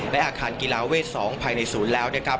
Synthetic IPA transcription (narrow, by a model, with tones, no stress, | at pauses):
lɛ˦˥ʔaː˧˩kʰaː˧nki˧laː˧weː˥˩t̪̚sɔː˩˦ŋpʰaː˧jna˧jsuː˩˦nlɛː˦˥wnaː˥˩kʰɾa˦˥p̚